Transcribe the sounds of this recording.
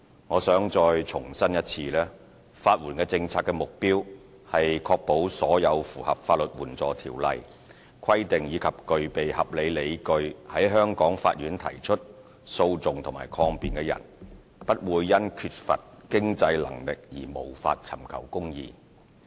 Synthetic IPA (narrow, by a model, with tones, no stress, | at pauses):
ŋɔː˨˧sœː˨˥ŋt͡sɔː˧jt͡sʰʊ˨˩ŋsɐ˥njɐ˥t̚t͡sʰiː˧lɛː˥ | faː˧t̚wuː˨˩nkɛː˧t͡sɪ˧ŋt͡sʰaː˧tkːɛ˧mʊ˨k̚piː˥w | hɐ˨jkʰɔː˧k̚po˨˥wsɔː˨˥jɐ˨˧wfuː˨˩hɐ˨p̚faː˧t̚lɵ˨t̚wuː˨˩nt͡sɔː˨t̪ʰiː˨˩wlɐ̰˨j | kʰɐ˥jt̪ɪ˨ŋjiː˨˧kʰɐ˨p̚kɵ˨ɥpe˨jhɐ˨p̚le˨˧jle˨˧jkɵ˧ɥhɐ˨˥jɦœː˥ŋkɔː˨˥ŋfa̰ː˧t̚ɥjyː˨˥nt̪ʰɐ̰˨˩jt͡ʃʰɵ˥t̚ | so˧wt͡sʊ˨ŋt̪ʰʊ˨˩maː˨˩jkʰɔː˧ŋpiː˨˩nkɛː˧jɐ̰˨˩n | pɐ˥t̚wuː˨˧jːɐ˥nkʰyː˧t̚fɐ̰˨t̚kɪ˥ŋt͡sɐ˧jlɐ̰˨˩ŋlɪ˨k̚jiː˨˩mo˨˩wfa̰ː˧t̚t͡sʰɐ̰˨˩mkʰɐ̰˨˩wkʊ˥ŋjḭː˧